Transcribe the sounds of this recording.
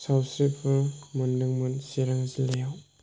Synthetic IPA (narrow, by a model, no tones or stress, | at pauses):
sawsɾipʰɯmundɯŋmɯnsiɾaŋzilejaw